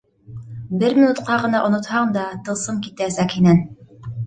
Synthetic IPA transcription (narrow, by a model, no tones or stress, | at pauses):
bɘɾmʲinut̪qɑʁɤ̆nɑʔŏnŏt̪hɑɴd̪ɑt̪ɤ̆lˠsɤmkit̪ææsækhinæn